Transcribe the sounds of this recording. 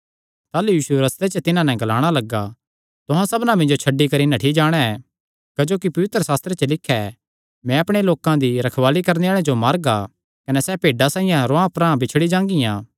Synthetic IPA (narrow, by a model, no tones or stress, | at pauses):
t̪aːlujiːʃuɾɐst̪et͡ʃət̪ɪnãnɛ̃ɡɐlaːɽ̃alɐɡːa | t̪ʊɦãsɐbnãmɪ̃ɲd͡ʒot͡ʃʰɐɖːikɐɾinãʈʰid͡ʒaːɽ̃ɛɛ | kɐd͡ʒoːkipɐʋɪt̪ɾəsaːst̪ɾet͡ʃəlɪkʰːɛ | mɛ̃ɐpɽ̃eloːkãd̪iɾɐkʰʋaːlikɐɾneaːɭ̃ẽd͡ʒomaːɾɡa | kɐnɛsɛpeːɖasaːĩjãɾoãpɾãbɪt͡ʃʰɽid͡ʒãːŋɡɪjã